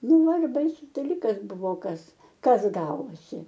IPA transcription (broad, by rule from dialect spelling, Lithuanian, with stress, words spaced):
ˈnʊ ˈʋɐ ɪr ˈbɐɪsʊs dɐˈlʲiːkɐs ˈbʊʋoː ˈkɐs ˈkɐs ˈɡɑːʋoːsʲɪ